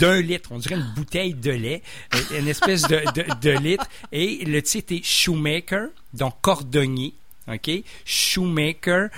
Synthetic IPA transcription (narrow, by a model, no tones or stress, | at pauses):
d̪ɛ̃lɪt̪χɔ̃d̪ziʁɛynbut̪ɛjd̪əlɛ | ɛ̃nɛspɛs̬d̪əd̪əd̪əlɪt̪χelət̪sit̪ɛʃumekʲəɹ | d̪ɑ̃kɔʁd̪ɔɲe | ɔkʲe | ʃumekʲɛɹ